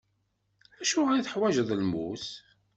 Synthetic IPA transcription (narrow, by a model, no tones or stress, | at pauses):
æʃuʁɾæθəħwæʒəðˤlmus